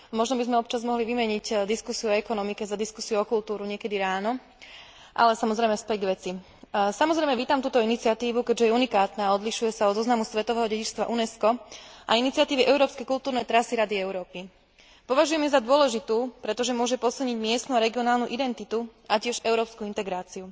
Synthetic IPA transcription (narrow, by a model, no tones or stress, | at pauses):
mɔʒnɔbizmɛɔp̚t͡ʃazmɔɦliʋimɛɲiɟd̪iskusiuɔɛkɔnɔmikɛzad̪iskusiuɔkult̪uːɾuɲɪɛkɛd̪iɾaːnɔ | ʔa̰lɛsamɔzɾɛjmɛspɛɟɡʋɛt͡si | samɔzɾɛɪmɛʋiːt̪amt̪uːt̪ɔinit͡siat̪iːʋukɛɟʒɛjɛunikaːt̪naːɔd̪liʃujɛsaɔd̪zɔznamusʋɛt̪ɔʋɛːɦɔɟɛɟit͡ʃst̪ʋa̰ʔunɛskɔʔa̰init͡siat̪iːʋiʔɛʊɾɔːpskɛjkult̪uːɾnɛjt̪ɾasiɾad̪iɛʊɾɔːpi | pɔʋaʒujɛmɛzad̪ʊɔlɛʒit̪uːpɾɛt̪ɔʒɛmʊɔʒɛpɔsilˠɲiɟmɪɛst̪nuaɾɛɡiɔnaːlnuʔid̪ɛnt̪it̪uʔacɪɛʒɛʊɾɔːpskuint̪ɛɡɾaːt͡siu